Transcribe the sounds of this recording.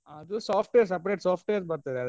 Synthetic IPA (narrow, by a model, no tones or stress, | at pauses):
aːɐðusaːfʈʋeːɾsɐpːɐɾeːʈsaːfʈeːɾspɐɾt̪ɐðɐð